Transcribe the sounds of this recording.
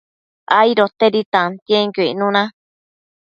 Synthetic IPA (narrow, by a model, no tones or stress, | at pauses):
aiɾot̪eɾit̪ãnt̪jẽŋkuinũnã